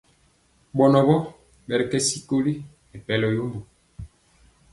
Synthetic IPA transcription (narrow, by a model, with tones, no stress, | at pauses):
ɓɔ˨nɔ˨bɔ˦ | ɓɛ˨ɾɛ˨kɛ˦si˦ko˦li˦ | ɛ˨pɛ˨lɔ˨jo˦mo˨